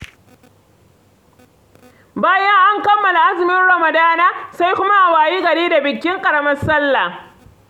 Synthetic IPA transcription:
baː˦jɐ˦ŋʔa˦ŋkɐ˦mːɐ˨la˨ʔa˦zɪ˨mɪ˦nɽɐ˨mɐ˨daː˦naː˦sa˦jkʷʊ˦ma˦ʔa˨waː˨jiː˦ɡɐ˨ɽeː˦da˨bɪ˨kʲːɪ˦ŋkʼɐ˨ɽɐ˦mɐ˦sɐ˦lːa˨

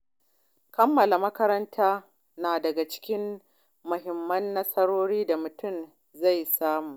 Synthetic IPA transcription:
kɐ˦mːɐ˨la˨mɐ˦kɐ˦ɾɐ˦ntʰaː˦ | naː˨dɐ˨ɡa˨t͡ʃɪ̥˦kʲɪ˦m | mʊ˨ɦɪ˨mːɐ˦nːɐ˦sɐ˦ɽoː˦ɽiː˦da˨mʊ˨tʊ˦˨m | za˦˨jsaː˦muː˨ʔ

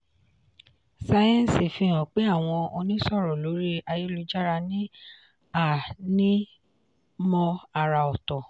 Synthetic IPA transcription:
sa˧jɛ̃˦n˨si˨fĩ˧ɔ̃˨k͡pe˨˦a˦˨w̃ɔ̃˧ɔ˧nĩ˦sɔ˦˨ɾɔ˨lo˨˦ɾi˦a˧ji˦lu˨˧d͡ʒa˦ɾa˧nĩ˦ | a˦˨nĩ˦ | mɔ̃˧a˧ɾa˨ɔ˨tɔ˨

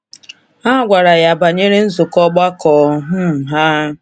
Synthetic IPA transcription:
a˦ɡʷa˨ɾa˨ja˨ba˨ɲe˦ɾe˦n̩˦zʊ˨kɔ˦ɡ͡ba˦kɔː˨˦ɦʊ˦m̩˨ɦa˦

